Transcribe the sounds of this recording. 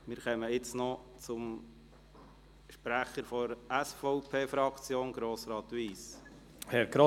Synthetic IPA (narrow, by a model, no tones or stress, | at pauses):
mɪɾχɛməɪt͡snɔt͡sʊm | ʃpɾæχəɾfɔɾæsfɔʊpʰeːfɾɑkt͡sjoːnɡɾoːsɾɑːt̪ʋiːs | hɛɾɡ̥ɾo